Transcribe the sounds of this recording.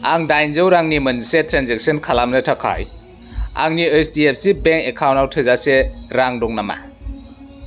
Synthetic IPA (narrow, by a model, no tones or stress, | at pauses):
aŋdajnzɯwɾaŋnimɯnsetʰɾanzek̚sənkʰalamnɯtʰakʰa̰j | a̰ŋniejstiep̚sibeŋkekʰawntawtʰɯzaseɾaŋdɔŋnama̰